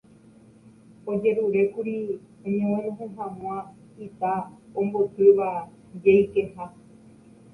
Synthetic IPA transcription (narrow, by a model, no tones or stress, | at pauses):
od͡ʒe̞ɾuɾe̞kuɾi | õɲẽõnõɦõɦãmw̃ã | it̪aõmbot̪ɨʋa | d͡ʒejkeha